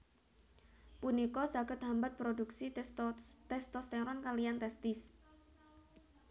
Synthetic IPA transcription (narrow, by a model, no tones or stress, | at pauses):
punikɔsaɡət̪̚ɦambat̪̚pɾoduksi | t̪ɛst̪ɔst̪ɛɾɔnkalijant̪ɛst̪ɪs